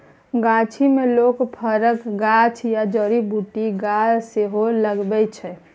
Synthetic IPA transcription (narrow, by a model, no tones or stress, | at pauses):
ɡat͡ʃʰimelokpʰəɾəkɡat͡ʃʰjad͡ʒəɾibuʈiɡad͡ʒseɦoləɡbɛt͡ʃʰɛ